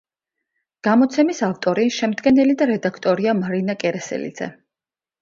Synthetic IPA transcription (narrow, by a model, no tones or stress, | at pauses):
ɡ̥amɔt̪sʰɛmisaft̪ʼɔɾiʃɛmd̪ɡɛnɛlid̪aɾɛd̪akʰt̪ʼɔɾiamaɾinakʼɛɾɛsɛ̰lḭd̪zɛ̰